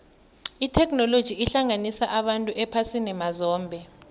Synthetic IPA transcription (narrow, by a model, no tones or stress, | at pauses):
itʰɛknɔlod̥ʒ̥ʱiːɬaŋanisaʔaɓantʼuʔɛpʰasinɛmazɔːmbʱɛ